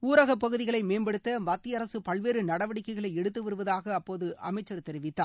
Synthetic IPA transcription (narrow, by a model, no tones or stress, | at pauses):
uːɾɐɣɐpːɐɣɯðɪɣɐɭɐɪmeːnbɐɽɯt̪ːɐmɐt̪ːɪɐɾɐsɯpɐɭʋeːɾɯnɐɽɐʋɐɽɪkːɐɪɣɐɭɐɪɛɽɯt̪ːɯʋɐɾɯʋɐðaːɣɐːpːoːðɯʔɐmɐɪt͡ʃːɐɾt̪ɛɾɪʋɪt̪ːaː